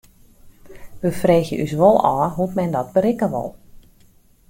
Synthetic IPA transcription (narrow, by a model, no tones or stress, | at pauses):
ʋəfreːxjə̰ʔysʋolˠɔːɦutmɛndɔt̚bəɾɪkəʋɔ̰lˠ